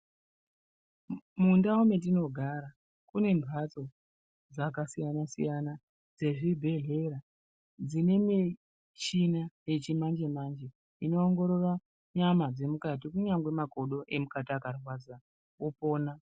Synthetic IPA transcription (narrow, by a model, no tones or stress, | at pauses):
mundaume̞tino̞ɡʱaɾa | kune̞mbʱat͡so̞ | d͡zakasijanasḭjana | d͡ze̞ʐibʱe̞ɮe̞ɾa | d͡zine̞mi | t͡ʃinaje̞t͡ʃimand͡ʒe̞mand͡ʒe̞ | ino̞ːŋɡo̞ɾo̞ra | ɲamad͡ze̞mukat̬ikuɲaŋɡwe̞mako̞ɗo̞ʔe̞mukatiakarwad͡za | opo̞ːna